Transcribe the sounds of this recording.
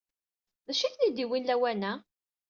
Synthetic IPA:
ðæʃiθnid̪iwinlæwænæ

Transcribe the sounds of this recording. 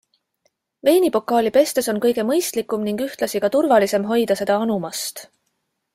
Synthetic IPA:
ve̞ːnipo̞kːˑɑːlʲipe̞st̪e̞so̞nkɤ̞jɡ̥e̞mɤjst̪likːˑumniŋɡ̥yht̪lɑsiɡ̥ɑt̪urvɑlise̞mɦo̞jd̪ɑse̞d̪̥ɑɑnumɑst̪

